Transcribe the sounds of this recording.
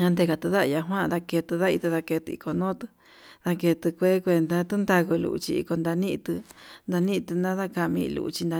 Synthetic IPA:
ɲã˧nd̪e˧ka˧t̪ɨ˧ða˦ʔja˧ɦwã˦˧ða˧ke˧t̪ɨ˧ða˦˧i˧t̪ɨ˧ða˧ke˧t̪ɨ̰˧ḭ˧ko˨nõ˦t̪ɨ̥˧ | ða˧ke˧t̪ɨ˧kʷe˦kʷe˧nd̪a˧t̪u˦nd̪a˧ku˧lṵ˧ʔṵ˧t͡ʃi˧ḭ˧ko˧nd̪a˧nĩ˦ʔt̪ɨ˧nd̪a˧nĩ˦˧t̪ɨ˧nã˦ða˦ka˧mĩ˧lṵ˧ʔt͡ʃi˧nd̪a˧

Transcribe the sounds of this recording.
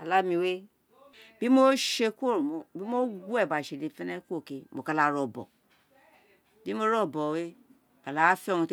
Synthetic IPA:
a˨la˦mĩ˧we˦ | bi˦mo˦ʃe˧ku˦o˦˨ɾmo˨bi˦mo˦ɡʷu˦ɛ˦˨ba˨ʃe˨le˧fɛ˦nɛ˦ku˦o˦˨ke˧mo˨ka˧˨la˨ɾɔ˨bɔ̰˨ | bi˦mo˦ɾɔ˦˨bɔ˨we˦ | a˨la˨˦fi˦ɔ˦˨nũ˧t

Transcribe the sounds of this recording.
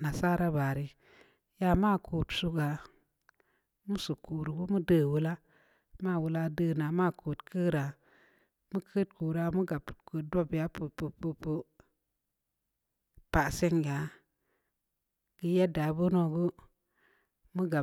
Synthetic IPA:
na˨sa˦ɾa˦ba˨ɾi˨ | ja˨ma˦˨kʰuː˨tsu˧ɡa˨ | mu˦su˨ku˨ɾu˨ɡu˦mu˦dəː˦˨wu˦la˦ | ma˦˨wu˦la˦dəː˦˨na˨ma˦˨kʰu˨tkʰə˦ɾa˨ | mu˦kʰə˦t̚kuː˨ɾa˨mu˦ɡa˨pkə˨do˦ba˦pu˨pu˧pu˧pə˦ | pa˨se˦ŋɡa˨˦ | ɡ̥i˧je˦da˨˦bu˦no˧ɡu˦ | mu˦ɡa˨

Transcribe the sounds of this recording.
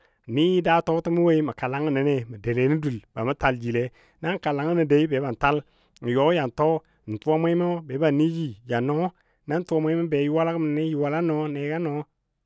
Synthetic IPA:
ni˦ji˦da˦to˦ti˦mu˦we˦i˦mə˨ka˨la˦ŋə˨ne˨ne˨mə˨de˨le˨˦ni˦du˨lba˨mu˦ta˨ld͡ʒi˨le˨˦ | na˦ŋ˨ka˨la˨ŋi˦ni˨de˨˦i˦be˨˦ba˨n˨ta˦l | n˨jo˨˦ja˨nto˦˨ | n̩˨tu˦a˦me˦i˦mo˦be˨˦ba˨ni˦ji˨ja˨no˦ | na˦n˦tu˦o˦mʷe˦i˦ma˦be˨ji˦wa˦la˦ku˦m˨ni˦ji˨wa˨la˦no˨˦ne˨ɡa˦no˨˦

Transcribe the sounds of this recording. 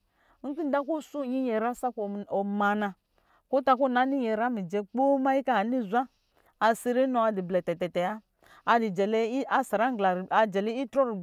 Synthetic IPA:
ŋ̩˦ki˦da˦ko˦su˦˨ɲi˦ɲɛ˨ɾa˦sa˦kɔ˨ma˨na˨ | ko˦ta˧ko˦na˨˦ni˦ɲɛ˨ɾa˦mi˨d͡ʒɛ˦k͡po˦ma˦i˦ka˦a˨ni˦˨zʷa˦ | a˧si˦˧ɾi˦nɔ˨a˧di˨blɛ˨tɛ˨tɛ˨tɛ˨ja˦ | a˧di˨d͡ʒɛ˨lɛ˦a˦sa˨ɾa˦ŋ˦ɡla˨ɾa˨d͡ʒɛ˨lɛ˦i˦tɾɔ˦ɾi˨

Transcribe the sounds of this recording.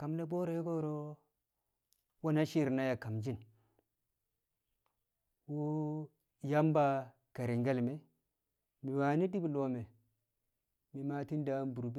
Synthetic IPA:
ka˨mle˦bo˦ɾe˦ɡo˦˨ɾo˦ | wo˦na˦ʃi˦ɾna˦ja˨ka˨md͡ʒi˦n | wu˦ | ja˦mba˦ | ka˨ɾi˨ŋɡe˦lme˨ | mi˨wa˨ni˦di˦blo˦me˨ | mi˨ma˦ti˦n˦da˦nbu˨ɾu˨bi˦

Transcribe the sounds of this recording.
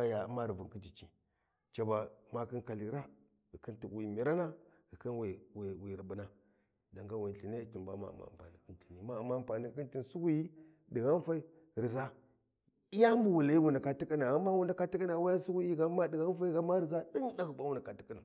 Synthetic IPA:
a˦ja˨ma˦ɾi˨vu˨ŋki˦d͡ʒi˨t͡ʃi˦ | t͡ʃa˨ba˨ma˦ki˦nka˨li˨ɾa˦ | ɣi˨ki˦nti˨wi˨mi˨ɾa˦na˦ | ɣi˨ki˦nwwwi˨ɾi˨bu˨na˨ | da˨ŋɡa˦wi˨ɬi˨ne˦ti˨mba˦ma̰˨a̰˨ma̰˨mpa̰˨ni˨ki˦nti˨ni˨ma˦a˨mːa˦˨mpa˨ni˦˨˦ki˦nti˨nsu˦ɡu˦ji˦ | di˨ɣa˦n˦fa˦i˦ | ɾi˨za˦ | i˦ja˦m˦bu˨wu˨la˦i˦wu˨nda˨ka˨ti˦ki˦na˨a˨mːa˦wu˨nda˨ka˦ti˦ki˦na˨wa˦ja˦su˦ɡu˦ji˦ɡa˦ma˦di˨ɣa˦n˦fa˦i˦ɡa˦ma˦ɾi˨za˦ɗi˦nda˦ɣu˨ba˦wu˦na˨ka˨ti̥˦ki˦na˨

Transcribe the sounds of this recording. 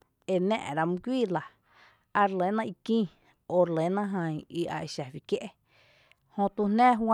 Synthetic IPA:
e˨nɛ̰̃ː˧˨ʔɾa˧mũ˧kʷiː˦˨la˨ | a˧ɾle˨˦nã˦i˧kĩː˦˨ | o˧˨ɾle˨˦nã˦ɦã˧ĩ˧i˧ʔa̰˨ʔe˧˨ʃa˨wi˨kje˦ʔe˦ | hõ˧t̪u˧nnɛ̃ː˦ɦwa˦˧

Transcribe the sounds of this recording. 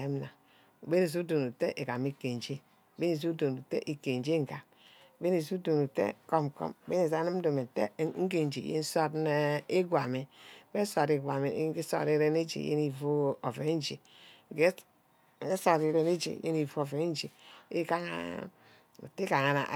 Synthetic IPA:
e˦m˦na˨ | be˦ne˨s̬u˦do˨nu˨te˦ʔe˨ka˨mi˦ke˨n˨d͡ʒe˦˨ | be˦ne˨s̬u˦do˨nu˨tḛ˦ʔi˨ke˨n˨d͡ʒe˦ŋ̩˦ɡa˨ | be˦ne˨su˦do˨nu˨tḛ˦˨ko˦m˨ko̰˦m˨be˦ne˨za˦ni˦m̩˦do˨me˨tḛ˦ŋ̩˦ɡe˨n˨d͡ʒḛ˨jḛ˦n̩˦so˦tne˦e˦ɡʷa˨mi˨˦be˦so˨ɾi˨ɡʷa˨mḭ˨˦e˦so̰˦˨ɾi˦ɾe˦ne˦d͡ʒḛ˨jḛ˦ni˨vo˦o˨ve˨˦n˦d͡ʒe˨ | ŋ˨ɡe˦˨˦ | so˦˨ɾi˨ɾe˦ne˦d͡ʒḛ˨jḛ˦ni˨vo˦o˨ve˨˦n˦d͡ʒe˨e˦ka˦ŋa̰˦ | ṵ˨te˦ka˨ŋa˨na̰˨

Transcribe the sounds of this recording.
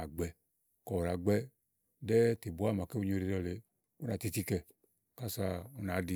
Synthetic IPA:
a˨ɡ͡bɛ˧ | kɔ˨ɾa˨ɡ͡bɛ˦ | dɛ˦te˨bu˨˦a˦˨ma˨ke˦u˧ɲo˦˨ɾe˨˧dɔ˧˨le˨ | u˦na˨ti˧ti˦kɛ˧˨ | ka˦˨sa˧u˦na˨˦di˧

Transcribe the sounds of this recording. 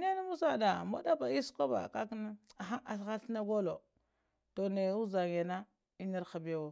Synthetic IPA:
ne˦na˦mu˦sa˦˨da˨ma̰˦da˦ba˨i˦sko˦ba̰˨ka˦kn˦a˨ɦa˦a˨ɬxa˦ɬna˦ɡo˦lo˨ | to˨ne˨u˦za˨ŋ˨e˨na˦ | i˦ni˦ɾxa˨be˦wo˦

